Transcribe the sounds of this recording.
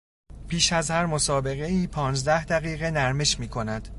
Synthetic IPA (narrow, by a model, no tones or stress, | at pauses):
pʰiːʃæzhæɾmo̞sɒːbe̞ɣe̞iːpʰɒːnzd̪æhd̪æɣiːɣenæɾmeʃmiːkʰo̞næd̪̥